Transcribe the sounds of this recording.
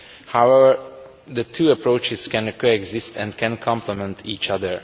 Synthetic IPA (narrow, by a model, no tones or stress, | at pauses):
hawɛvəɹ | d̪ət̪ʰuːəpɹoːt͡ʃɪskɛ̃nkoɛɡzɪst̪ʰɛ̰̃nd̪kɛ̃nkʰɔ̃mplɛmɛ̃nt̪ʰiːt͡ʃʌd̪əɹ